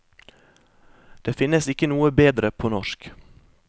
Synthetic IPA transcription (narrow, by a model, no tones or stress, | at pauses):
d̪̥eːfɪnəsɪkənuːəbeːd̪ɾəpʰoːnɔʃk